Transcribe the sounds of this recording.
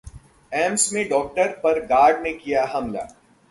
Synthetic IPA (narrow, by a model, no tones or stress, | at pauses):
ɛːmsmẽɖɔːk̚ʈəɾpɐɾɡaːɾɖnekijaɦɐmla̰ː